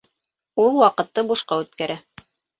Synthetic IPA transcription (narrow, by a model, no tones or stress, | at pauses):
ulˠwɑqɤ̆t̪ːɤbuʃqɑʉt̪kæɾæ